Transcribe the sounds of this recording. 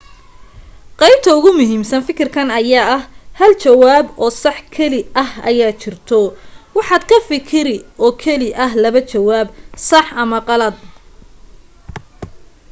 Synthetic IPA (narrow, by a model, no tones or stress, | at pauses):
qɑjb̚t̪ʰɐʊɣʊmʊɦiːmsɐnfɪkʰɪrkʰɐnɐjaːɐhhɐlt͡ʃɐwaːbɔːsɑħkʰɛlɪɐhɐ̰jaːt͡ʃʰɪrt̪ʰɔwɑħɑːd̪kʰɐfɪkʰɪɾɪʔɔːkʰɛlɪʔɐɦlɐβɐt͡ʃɐwaːbsɑħɐmɐqɑlɐd̪̚